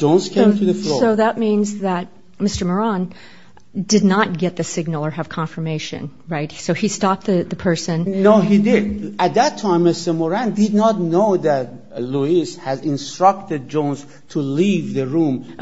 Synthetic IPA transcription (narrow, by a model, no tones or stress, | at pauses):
d͡ʒõʊnzkʰẽmtʰuðəflooʊðət̚mĩnzðət̚ | mɪstə˞mə˞ɑ̃n | dɨdⁿnət̚ɡ̥ɛt̪̚ðɨsɪɡ̚nl̩ˠə˞ɨv̥kʰɑ̃ɱfə˞meɪʃɨ̰̃nɹaɪt̚soʊistɑp̚t̪̚ðɨðɨpʰɜ˞sɨ̃nnoʊɦidɪdæt̪̚ðætʰːãɪ̃mɨsəmɔɹæ̃ndɪd̚ⁿnɑtnoʊðæt̚ | luishæzɪ̃nstɹ̥ʌk̚tɨd̚d͡ʒõʊnz | tʰulivðəɹũm